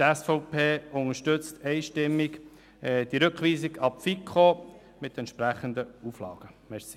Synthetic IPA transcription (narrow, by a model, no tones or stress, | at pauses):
tɛsfɔʊpʰeːʊŋəʃtʏt͡stʰɛɪʃtɪmːiɡ | d̥iɾɵkχʋiːsiɡɑpfikʰχo | mɪt̪ɛnt̪ʃpɾæχənd̪əuflɑ̰ːɡ̥əmɛɾsi̥